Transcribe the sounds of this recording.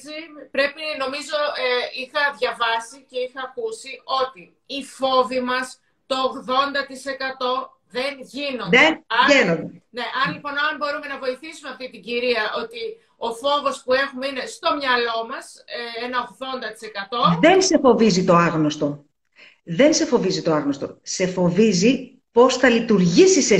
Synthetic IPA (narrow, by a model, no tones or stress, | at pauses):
ipɾe̞pino̞mizo̞eixɐðʝɐvɐsice̞ixɐːkusio̞t̪iː | fo̞vimɐs | t̪o̞ːɣðo̞nd̪ɐt̪ise̞kɐt̪o̞ | ðe̞nʝino̞nenɐenond̪ene̞ʔɐnlipo̞noɐmbo̞ɾume̞nɐvo̞iθisumeɐft̪it̪iɟiɾiɐʔo̞t̪i | o̞fo̞vo̞spue̞xumeine̞st̪o̞mɲɐlo̞mɐseenɐoɣðo̞nd̪ɐt̪i̥se̞kɐt̪o̞ðe̞nse̞fo̞vizit̪o̞ɐɣnost̪o̞ | ðe̞nse̞fo̞vizit̪o̞ɐɣnost̪o̞̰se̞fo̞vizi | po̞sθɐlit̪uɾʝisise